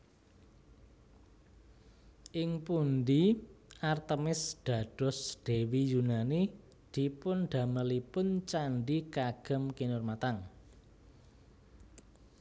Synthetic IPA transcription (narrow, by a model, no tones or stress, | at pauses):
ʔɪŋpund̪iʔart̪əmɪsd̪̥ä̤d̥ɔ̤sd̪̥e̤wijunani | d̪̥i̤pʊnɖ̪̥a̤məlipʊnt͡ʃanɖikaɡ̥əmkinʊrmat̪aŋ